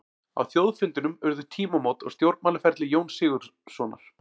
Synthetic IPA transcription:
a̰wθjowðfɪnt̪ʏnʏmœɾðʏt̪ʰiːmamowt̪ɔ̰ɣst̪jowɾpmaːlafɛɾ̥t̪lɪjoːwnsɪːɣʏɾ̥sɔːna̰ɾ̥

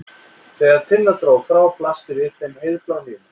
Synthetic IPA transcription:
θɛːɣaðt̪ʰɪnːat̪ɾoːwfɾaːwplast̪ɪvɪðfemhejðplawnɪ

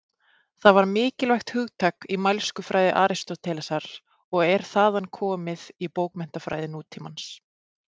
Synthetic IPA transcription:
θaðvaɾmɪːcɪlvajxt̪hʏɣt̪ʰaːkimajlskʏfɾʔaːjðɪʔaːɾɪst̪ɔt̪ʰɛːlasaɾ̥ | ɔɣɛɾ̥θaːðankʰɔːmɪðipoːwkmɛn̥t̪afɾaːjðɪnuːt̪ʰɪmans

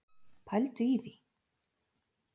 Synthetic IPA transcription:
pʰajlt̪ʏiði

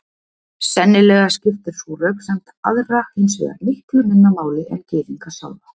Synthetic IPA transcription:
sɛnːɪlɛːɣascɪft̪ʏɾ̥suːrœɥpsɛmt̪a̰ðraejnsvɛ̰ɣa̰ɾnɪht̪ʏnʏnːamaːwlɪʔɛncɪːviŋkasa̰ːwða

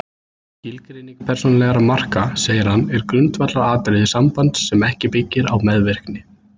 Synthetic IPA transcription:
çɪlkɾejniŋkḁpʰɛr̥sonalɛɣaɾamar̥kaseːjɪɾ̥hanːɛɾkɾʏnt̪vat̪laɾaːt̪ɾejðɪsampant̪sɛmɛhcɪpɪcːɪɾawmɛðvɪr̥knɪ

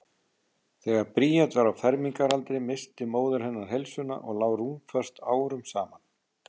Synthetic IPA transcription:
θɛːɣaɾpɾiːjat̪vaɾawfɛɾmiŋkaɾalt̪ɾɪmɪst̪ɪmoːwðʏɾ̥hɦɛnːaɾ̥ɦelsʏna̰ʔɔɣlaːwruːnfœr̥st̪aːwɾʏmsaːman̥

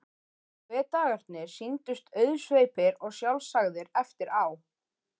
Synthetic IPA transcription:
vɛːt̪aːɣaɾ̥t̪nɪɾ̥sint̪ʏst̪ʰœɥðsveːjpɪɾɔɣsjawlsaɣðɪɾɛft̪ɪɾaw

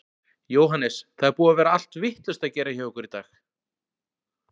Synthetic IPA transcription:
joːwɦanɛsθaðɛɾpuːavɛːɾaal̥t̪vɪht̪lʏst̪aðcɛːɾaçœːʏkʏɾit̪aːx

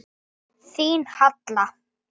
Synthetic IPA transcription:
θiːnhat̪la

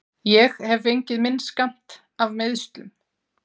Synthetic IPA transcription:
jɛɣhɛvejɲcɪðmɪnːskam̥t̪ | avmɪðst̪lʏm

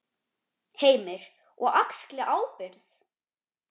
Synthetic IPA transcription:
heːjmɪɾ̥ | ʔɔɣaksklɪʔaːwpɪɾð̥

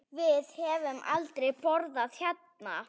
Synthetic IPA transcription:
vɪðhɛvʏmʔa̰lt̪ɾejpɔɾðaðçjat̪̚na̰

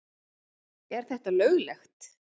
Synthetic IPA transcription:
ɛɾ̥θɛht̪alœːɥɣlɛxt̪

